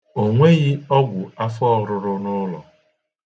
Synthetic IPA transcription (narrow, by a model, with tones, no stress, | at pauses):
o˨ŋʷe˦ɣɪ˦ɔ˦ɡʷʊ˨a˦fɔ˦ɾʊ˦ɾʊ˦nʊ˦lɔ̰˨